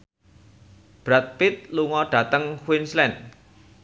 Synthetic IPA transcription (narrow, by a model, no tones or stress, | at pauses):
b̥ɾat̪̚pɪt̪̚luŋɔɖ̥ä̤t̪əŋhwinslɛn̚